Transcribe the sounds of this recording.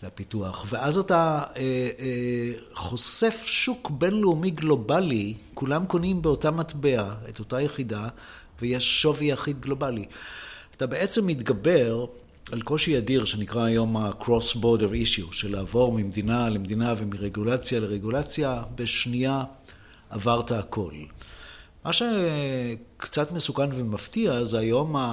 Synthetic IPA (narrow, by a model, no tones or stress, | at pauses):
lapituaχveʔazatae | χo̞se̞fʃukbe̞nleumiɡlo̞balikulamko̞nimbeotamatbe̞aeto̞tajeχida | vejeʃːo̞vijaχidɡlo̞baliatabe̞ʔet͡se̞mːitɡabe̞ʁ | alko̞ʃiadiʁʃenikʁaːjo̞makʁosboʁdeʁiʃjuʃelaːvo̞ʁmimed̪inalemd̪inavemiʁeɡulat͡sjaleʁeɡulat͡sjabeʃniaː | vaʁtaːkʰo̞l | maʃe | kt͡satmesukanvemaftiazeajo̞ma